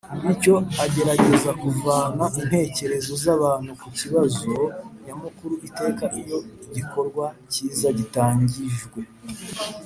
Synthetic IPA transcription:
nico̞aɟe̞ɾaɟe̞zakuvaːnaʔin̥he̞ːce̞ɾe̞zo̞zaβaːn̥hukuciβazo̞jamukuɾuʔite̞ːkaʔijo̞iɟikʰo̞ɾɡwaciːzaɟitaːɲɟiʒɡwe̞

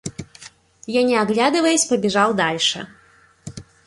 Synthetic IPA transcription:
janʲɛaɣlʲad̪ɨvɐjɛsʲpɐbʲɛʐalˠd̪alʲʂɛ̰

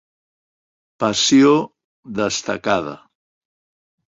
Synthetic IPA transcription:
pəsio | ðəst̪əkað̞ə̰

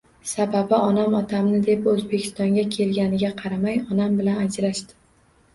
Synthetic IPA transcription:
sababɪʔɒnamɒt̪ʰamnɪd̪e̞pɵzbe̞kʲʰɪ̥st̪ɒŋɡʲakʲʰe̞lɡʲanɪɡʲaqʰɑɾamajɒnambɪlanad͡ʒɾaʃt̪ɪ̥

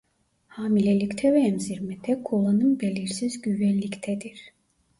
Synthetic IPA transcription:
haːmilʲelʲict̪ʰɛvɛːmziɾmɛt̪ʰɛkʰolˠanɯmbelʲiɾsizɟyvɛnlʲict̪ʰɛd̪iɾ̥

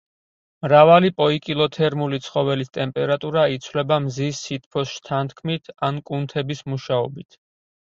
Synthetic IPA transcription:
mɾavalipʼɔikʼilˠɔt̪ʰɛɾmulit̪sʰχɔvɛlist̪ʼɛmpʼɛɾat̪ʼuɾait̪sʰwlɛbamzisːit̪ʰpʰɔsʃt̪ʰant̪ʰkʰmit̪ʰankʼunt̪ʰɛbismuʃaɔbit̪ʰ

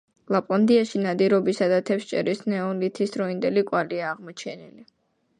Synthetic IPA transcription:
lˠapʼand̪iaʃinad̪iɾɔbisad̪at̪ʰɛpʃt͡ʃʼɛ̰ɾisnɛɔlit̪ʰisɾɔind̪ɛlikʼwaliaːʁmɔt͡ʃʰɛnili

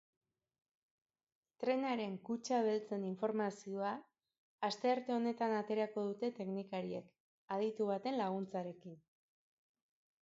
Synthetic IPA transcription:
t̪ɾe̞naɾe̞ŋkut͡ʃaβ̞elt͡se̞niɱfo̞ɾmasio̞aː | st̪e̞aɾt̪e̞o̞ne̞t̪anat̪e̞ɾako̞ð̞ut̪e̞t̪e̞knikaɾiek | að̞it̪uβ̞at̪e̞nlaɣunt͡saɾe̞kin

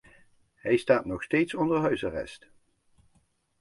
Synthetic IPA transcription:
ɦɛjstaːtnɔχstejtsɔndəɹɦœɥsarɛ̰st

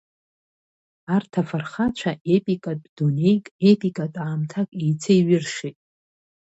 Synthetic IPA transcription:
artʰafarχat͡ʃʷʰaʔepʼikʼatʼdunejkʼepʼikʼatʼaːmtʰakʼejt͡sʰeiɥɪrʂitʼ

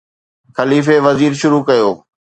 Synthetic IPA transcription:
xɐliːf̬eʋɐziːɾʃʊɾuːkɐjoː

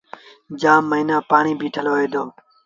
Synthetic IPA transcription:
d͡ʒaːmːəiːnãːpaːɳiːbʱiːʈʰəloːeːd̪oː

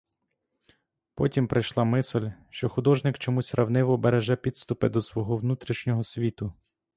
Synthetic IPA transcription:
pɔtʲimpɾɪjʃlˠɑmɪsɪlʲʃt͡ʃɔxʊd̪ɔʒnɪkt͡ʃɔmusʲɾɐwnɪʋɔbeɾeʒɛpʲid̪st̪ʊpɪd̪ɔsʋɔɦɔwnut̪ɾʲiʃnʲɔɦɔsʲʋʲit̪ʊ

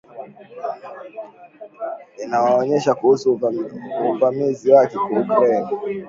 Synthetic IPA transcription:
inawaɔɲɛʃakuhusu | uvamiziwakɛkwaukɾaina

